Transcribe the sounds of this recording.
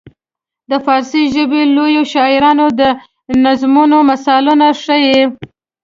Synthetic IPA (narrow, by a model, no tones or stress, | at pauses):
d̪əfɑɾsiʒəbelojoʃɑɪɾɑnod̪ə | nazmunomasɑlunaʂəje